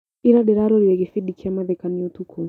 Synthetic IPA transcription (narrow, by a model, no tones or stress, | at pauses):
iɾaɗɛɾaɾɔɾiɛɣifiɗikʰiamaðɛkaniɔtukʰɔ